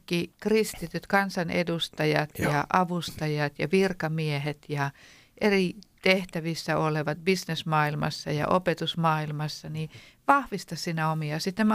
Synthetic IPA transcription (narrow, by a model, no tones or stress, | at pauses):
kːikrist̪it̪yt̪kɑnsɑnʔḛdust̪ɑjɑt̪jɑʔɑʋust̪ɑjɑt̪jɑʋirkɑmiehet̪jɑ | ʔerit̪eht̪æʋisːæoleʋɑt̪̚bisnesmɑːilmɑ̰sːɑjɑ̰ʔopet̪usmɑːilmɑsːɑni | ʋɑhʋist̪ɑssiːnæomiɑsit̪ːem